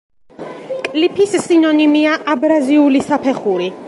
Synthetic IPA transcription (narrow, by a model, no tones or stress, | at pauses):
kʼlipʰissinɔnimiaʔabɾaziulisapʰɛχuɾi